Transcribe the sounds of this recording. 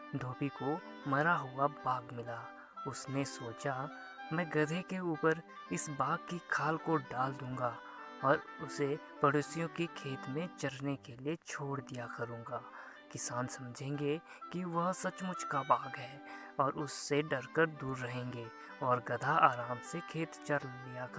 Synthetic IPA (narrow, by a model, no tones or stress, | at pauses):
d̪ʱoːbiko | mɐɾaɦʊabaːɡmɪlaː | ʊsnesoːt͡ʃa | mɛ̃ːɡɐd̪ʱekeuːpəɾ | ɪsbaːɡ̚kikʰaːlkoɖaːld̪ũːŋɡa | ɔːɾʊse | pɐɽoːsijõkikʰeːt̪mẽt͡ʃɐɾnekeliet͡ʃʰoːɽd̪ijakɐɾũːŋɡaː | kɪsaːnsɐmd͡ʒʱẽːŋɡe | kiʋɐɦsɐt͡ʃmʊt͡ʃʰkabaːɡɦɛː | ɔːɾʊsːeɖɐɾkəɾd̪uːɾːɐɦẽːŋɡeː | ɔːɾɡɐd̪ʱaaːɾaːmsekʰeːt̪t͡ʃɐɾlijak